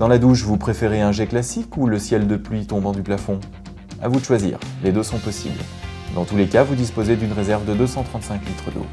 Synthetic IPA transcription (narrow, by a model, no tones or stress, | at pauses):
d̪ɑ̃lad̪uʃvupχefeʁeɛ̃ʒɛklasikuləsjɛld̪əplɥit̪ɔ̃bɑ̃d̪yplafɔ̃ | a̰vud̪əʃwazḭːʁled̪øsɔ̃pɔsḭbl | d̪ɑ̃t̪ulekavud̪ispozed̪ynʁezɛʁvd̪əd̪øsɑ̃t̪χɑ̃t̪sɛ̃klit̪χəd̪o̰